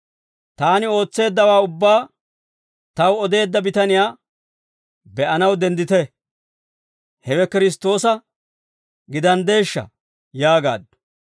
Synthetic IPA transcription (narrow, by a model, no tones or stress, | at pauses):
t̪aːnɪo̞ːt͡sːe̞ːd̪ːɐwaːʊbːaː | t̪ɐwɔd̪e̞ːd̪ːɐbɪt̪ɐnɪjaː | bɛʔɐnɐwd̪ɛnd̪ɪt̪ɛ | hɛwɛkɪɾɪs̬t̪o̞ːsɐ | ɡɪd̪ɐnd̪e̞ːʃːɐ̰ | jaːɡa̰ːd̪ːʊ̥